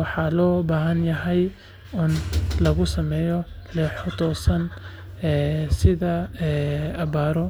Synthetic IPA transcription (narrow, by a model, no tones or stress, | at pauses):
wɑħɑlɔːbaːɦɐnjɐɦɛj | ɪnlɐɣʊsɐmɛːjɔlɛːħɔt̪ʰɔːsɐn | ɛːsɪðɐɛːɐβaːɾɔ